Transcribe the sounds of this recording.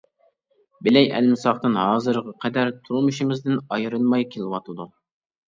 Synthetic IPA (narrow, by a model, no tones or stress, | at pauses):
bɪlɛjʔæ̰lmɪsɑχt̪ɨnhɑːzɨɾʁɑqʰɛd̪æɾt̪ʰuɾmɨʃɪmɪzd̪ɪnɑjɾɨlˠmɑjkʲʰelˠɪwɑt̪ʰɨd̪u